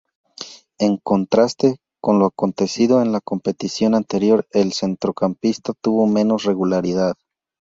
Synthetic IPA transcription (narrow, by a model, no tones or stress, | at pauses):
e̞ŋko̞nt̪ɾast̪e̞ | ko̞nloako̞nt̪e̞siðo̞enlako̞mpe̞t̪isjo̞nant̪e̞ɾjo̞ɾe̞lse̞nt̪ɾokampist̪at̪uβo̞mẽ̞no̞sre̞ɣulaɾiðað